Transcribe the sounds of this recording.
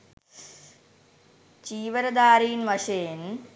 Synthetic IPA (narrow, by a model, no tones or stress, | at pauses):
t͡ʃiːʋɐɾɐd̪aːɾijnʋɐʂeːn